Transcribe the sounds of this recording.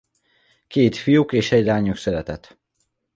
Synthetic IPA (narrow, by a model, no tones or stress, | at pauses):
keːt̪fijukeːʃɛɟlaːɲuksɛɾɛt̪ɛt̪